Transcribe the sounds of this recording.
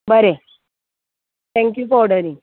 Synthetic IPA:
bəɾe | t̪ʰɛ̃ŋkjufɔɾɖəɾĩŋ

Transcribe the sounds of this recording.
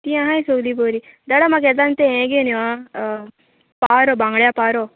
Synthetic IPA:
t̪iãɦajsoɡliboːɾi | d̪ɐɽamak̬ed̪ant̪eẽɡeniʋa | paːɾobaŋɡɽjapaːɾo

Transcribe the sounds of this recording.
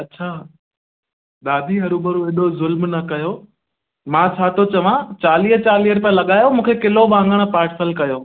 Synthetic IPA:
ɐtːɕʰaː | ɗ̪aːd̪ʱiɦɐɾubɐɾueːɗozʊlmnɐkɐjo | mãːt͡ɕʰaːt̪ʰot͡ɕɐʋãt͡ɕaːliːɦt͡ɕaːliːəɾpɐ̃lɐɠaːjomũːkʰekɪlobãːŋɡəɽ̃̆paːɾʈsəlkɐjoː

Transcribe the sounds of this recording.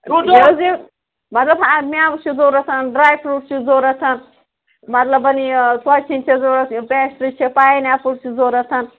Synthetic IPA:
ujozi | mɐt̪lɐbamiaːbut͡ʃʰizoːɾɐt̪ʰɐnɖɾaːjkʰɾuʈt͡ʃʰizoːɾɐt̪ʰɐn | mɐt̪lɐbɐnisɐt͡ʃʰint͡ʃʰezoːɾɐt̪pɛsɾit͡ʃʰepaːjinapuʈt͡ʃʰizoːɾɐt̪ʰɐn

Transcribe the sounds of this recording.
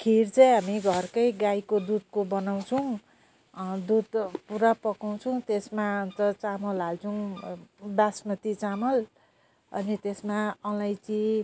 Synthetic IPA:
kʰirt͡sʌjɦamiɡʱʌrkʌjɡajkod̪ud̪̚kobʌnaw̃t͡sʰʌw̃ | d̪ud̪puɾapʌkaw̃t͡sʰʌw̃t̪esmaʌnt̪ʌt͡samʌlɦalt͡sʰʌw̃ | bjasmʌt̪it͡samʌl | ʌ̰nit̪esmaʌlajt͡si

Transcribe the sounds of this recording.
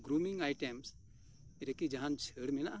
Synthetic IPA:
ɡɾumiŋajʈɛms | ɾəkid͡ʒaɦant͡ʃʰəɽmɛnaʔa

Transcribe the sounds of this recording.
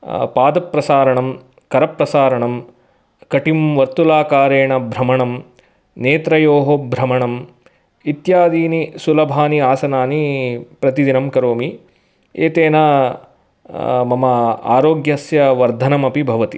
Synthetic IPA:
paːd̪ɐpɾɐsaːɾɐɳɐm | kɐɾɐpɾɐsaːɾɐɳɐm | kɐʈimʋɐɾt̪ulaːkaːɾeːɳɐbʱɾɐmɐɳɐm | neːt̪ɾɐjoːɦobʱɾɐmɐɳɐm | it̪jaːd̪iːnisulɐbʱaːniaːsɐnaːnipɾɐt̪id̪inɐmkɐɾoːmi | eːt̪eːnɐ | mɐmɐa̰ːɾoːɡjɐsjɐʋɐɾd̪ʱɐnɐmɐpibʱɐʋɐt̪i

